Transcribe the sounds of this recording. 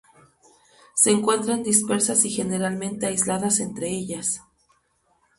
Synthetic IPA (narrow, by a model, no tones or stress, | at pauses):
se̞ːŋkwe̞nt̪ɾand̪ispe̞ɾsasixe̞ne̞ɾalmẽ̞nt̪e̞ajzlaðase̞nt̪ɾe̞e̞ʝas